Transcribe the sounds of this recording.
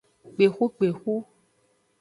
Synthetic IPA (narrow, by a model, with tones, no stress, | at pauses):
k͡pe˨xu˦k͡pe˨xu˦